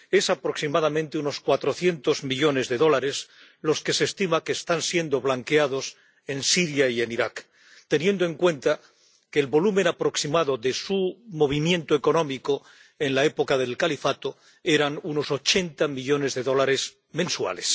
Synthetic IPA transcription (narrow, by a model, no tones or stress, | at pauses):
e̞sapɾo̞ksimaðamẽ̞nt̪euno̞skwat̪ɾo̞θje̞nt̪o̞zmiʎo̞ne̞zðeðo̞laɾe̞s | lo̞ske̞se̞ːst̪imake̞ːst̪ansje̞nd̪o̞βlaŋkeað̞o̞s | e̞nsiɾjaie̞niɾak | t̪e̞nje̞nd̪o̞ẽ̞ŋkwe̞nt̪a | keːlβo̞lumẽ̞napɾo̞ksimaðo̞ðe̞sumo̞β̞imjẽ̞nt̪oe̞ko̞nõ̞miko | e̞nlae̞po̞kaðe̞lkalifat̪o̞ | e̞ɾanuno̞so̞t͡ʃe̞nt̪amiʎo̞ne̞zðe̞ðo̞laɾe̞z | mẽ̞nswa̰le̞s